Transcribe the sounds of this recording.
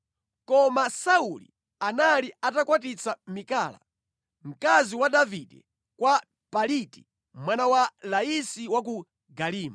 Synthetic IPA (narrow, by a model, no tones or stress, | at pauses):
kɔmasaulḭ | analiatakwat̬it͡sʰamikaːla̰ | m̩kaziwadavidɛ̰ | kwa | paliti̥ | mwanawalaisiwak̬u | ɡaliːma